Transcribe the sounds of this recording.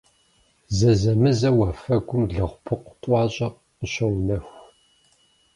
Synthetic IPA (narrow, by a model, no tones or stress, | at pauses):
zɐzɐmɨzɐwaːfɐɡʷʊmɮɨʁʷpʰɨqʷtʼɑːɕʼɐ | əɕɐwnɐxʷ